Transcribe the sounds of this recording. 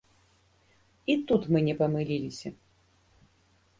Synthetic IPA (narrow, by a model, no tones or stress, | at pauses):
it̪ut̪mɨnʲɛpɐmɨlʲilʲisʲɐ